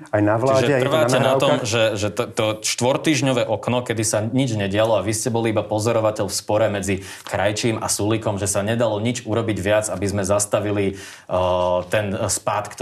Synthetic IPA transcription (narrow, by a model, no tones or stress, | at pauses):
ajnaʋlt͡ʃiaːʒɛtɛr̩ʋaːɛnaɔmʒɛʒɛt̪t̪ɔʃt̪ʋɔɾt̪iːʒɲɔʋɛʔɔknɔkɛd̪isaɲid͡ʒɲɛɟɪalɔaʋiscɛbɔliibapɔzɔɾɔʋacɛʎfspɔɾɛmɛd͡zi | kɾajt͡ʃiːmʔa̰sulikɔmʒɛsaɲɛd̪alɔɲid͡ʒuɾɔbiɟʋɪad͡zabizmɛzast̪aʋili | t̪ɛnspat̪kt̪